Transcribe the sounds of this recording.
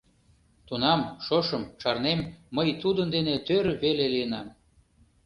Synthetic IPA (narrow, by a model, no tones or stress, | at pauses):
t̪unɑmʃoʃəmt͡ʃɑrnemːəjt̪ud̪ənd̪enet̪øɾβelelijənɑm